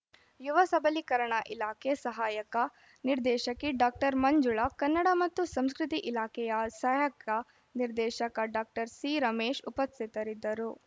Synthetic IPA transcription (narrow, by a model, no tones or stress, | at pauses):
juʋɐsɐbɐlikɐɾɐɳɐʔilaːkʰesɐɦaːjɐkɐ | niɾd̪ɛːʃɐkiɖaːk̚ʈɐɾmɐɲd͡ʒuɭɐkɐnːɐɽɐmɐt̪ːusɐmskɾut̪iʔilaːkʰɛjɐsɐjɐkɐ | niɾd̪ɛːʃɐkɐɖaːk̚ʈɐɾsiːɾɐmeːʃupɐsit̪ɐɾid̪ːɐɾu